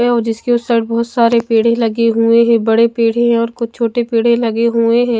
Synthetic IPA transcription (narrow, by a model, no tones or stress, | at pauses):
ɛɔːɾd͡ʒɪskeʊsɐɾʈ̚bɔːʊt̪saːɾepeːɽ̤ẽlɐɡeɦueɦɛ̃bɐɽepeːɽ̤ẽɦɛ̃ɔːɾkʊt͡ʃʰt͡ʃʰoːʈepeːɽ̤ẽlɐɡeɦuẽɦɛ̃ː